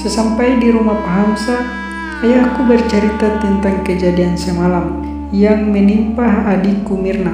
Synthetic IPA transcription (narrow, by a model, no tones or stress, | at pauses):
sɛsampajdiɾumapaɦamsaː | jahkubərt͡ʃəɾit̪at̪ɛnt̪aŋkəd͡ʒadiansɛmalam | jaŋmɛnimpaɦadikumirna